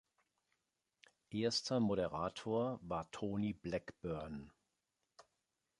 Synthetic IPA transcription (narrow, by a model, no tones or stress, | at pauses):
ʔeːɐstʰɐmoɾɛʁaːtʰoːɐvaːɐtʰoːniblɛkb̥œɐn